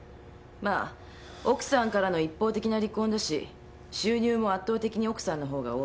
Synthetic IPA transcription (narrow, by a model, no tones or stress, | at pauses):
maː | o̞kɯ̟̥sãŋkaɾano̞ipːo̞ːt̪e̞kʲinaɾʲikõ̞nd̪aɕḭ | ɕɨːɲ̟ɨːmo̞at̪ːo̞ːt̪e̞kʲiɲ̟io̞kɯ̟̥sãnːo̞ɦo̞ːɡa̰oː